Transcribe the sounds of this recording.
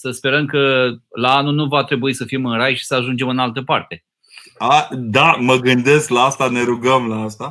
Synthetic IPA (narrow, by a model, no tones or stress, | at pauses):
səspe̞ɾəmkəlaanunuvat̪ɾe̞buisəfimɨnɾajʃi̥səaʒund͡ʒe̞mɨnalt̪əpart̪e̞ | ad̪aməɡɨnd̪e̞sklaast̪ane̞ɾuɡəmlaast̪a